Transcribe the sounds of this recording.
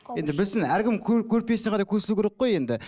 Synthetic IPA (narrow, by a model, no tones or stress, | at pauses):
je̞nd̪ɪbɪsɪnæɾɡʲɪmkʲʰkʲʰɵɾpe̞sneqʰɑd̪ɑjkʲʰɵsɪlukʰʲeɾeqːo̞je̞nd̪ɪ